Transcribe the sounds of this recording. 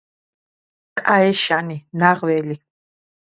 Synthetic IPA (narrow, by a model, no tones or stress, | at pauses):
kʼaɛʃaninaʁwɛli